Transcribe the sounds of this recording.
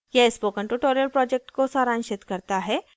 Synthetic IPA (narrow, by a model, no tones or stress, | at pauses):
jeɪspoːkəɳʈuʈoːɾijəlpɾɔːd͡ʒek̚ʈkosaːɾãːnʃɪt̪kɐɾt̪aɦɛː